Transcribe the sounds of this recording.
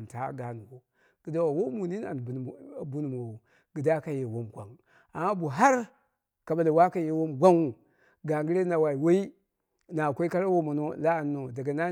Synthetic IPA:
n˨ta˨˦ɡa˨nu˨wo˨ | ɡ̥i˨da˦wa˨wo˦mu˨ni˦na̰˨bu˦n˨mo˨o˨ | ɡ̥i˨da˦ka˦je˨wo˦mɡʷa̰˨ŋ | a˨ma˦bu˨ɦa˦ɾ | ka˨ba˨la˨wa˦ka˦je˨wo˦mɡʷa˦ŋwu˨ | ɡa˨ŋɡi˦ɾe˦na˨wa˨i˨wo˦i˦ | na˨kʷo˦i˦ka˦ɾa˦wo˦mu˨no˦˨la˦a˨nːo˨da˨ɡa˨na˦

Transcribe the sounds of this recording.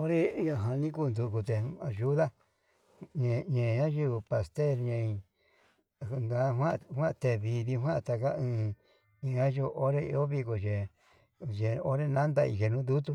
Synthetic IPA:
o˦ɾe˦ja˧ɦã˧nĩ˦ku˦˧nd̪u˧˨ku˧t̪e˨a˨ʒu˦ða˦ | ɲẽ˧˨ɲẽ˨ɲã˦ʒi˦βɨ˧pa˨st̪e˦˨ɾɲẽ˧ĩ˧˨˧ | ŋɡã˧˦ɦwã˦˧hʷwã˦ʔt̪e˧˨βi˧ði˧ɦwã˦˧t̪a˧ka˦ɨ̃ː˧ | ɲẽ˨ɲã˦ʒu˧ʔo˦ɾe˦i˧o˦βi˧ko˨ʒe˨ | ʒe˨o˦ɾe˦nã˦nd̪a˧ḭ˧ʒe˧nũ˦d̪u˦t̪̬u˦

